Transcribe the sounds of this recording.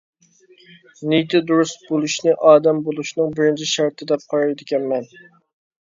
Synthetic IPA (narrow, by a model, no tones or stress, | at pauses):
net̪ʰɪd̪uɾusbolˠuʃnɨʔɑːd̪ɛmbolˠuʃnɨŋbɪɾɪnt͡ʃʰiʃɑɾt̪ʰɨd̪ɛp̚qʰɑɾɑjd̪ɪkʲɛnmɛn